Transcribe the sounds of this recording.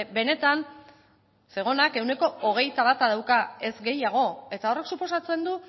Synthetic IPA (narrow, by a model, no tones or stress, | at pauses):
be̞ne̞t̪an | se̞ɣ̞o̞nake̞wne̞ko̞oɣ̞e̞jt̪aβ̞at̪að̞awkae̞zɡe̞jaɣ̞o̞e̞t̪ao̞re̞ksupo̞sat͡se̞nd̪u